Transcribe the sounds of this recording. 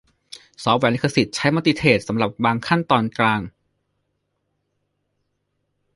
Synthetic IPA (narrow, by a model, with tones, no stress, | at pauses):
sɔː˦˥p̚wɛː˧˩li˦˥kʰːa˧si˨˩t̪̚t͡ɕʰa˦˥jmaː˧˥t̪i˧˩t̪ʰeː˨˩t̪̚sa˩˦mɾa˨˩p̚baː˧ŋkʰa˥˩nt̪ɔː˧nklaː˧ŋ